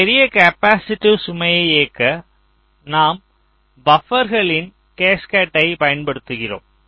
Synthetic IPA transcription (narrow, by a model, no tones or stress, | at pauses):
ɛɾɪjɐkɐpːaːsɪʈːisʊmɐjɐɪeːkːɐ | naːm | bɐfɐɾɣɐɭɪn | keːskaːʈːɐɪpɐjɐnpɐɽɯt̪ːɯɣɪro̰ːm